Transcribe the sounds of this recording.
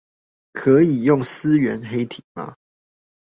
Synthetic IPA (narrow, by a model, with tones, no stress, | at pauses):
kʰɤ˨˦i˨˩jʊ˥˨ŋs̩˦ɥɛ˨˦nɦe˦ɪt̪ʰi˨˩ma̰˨˦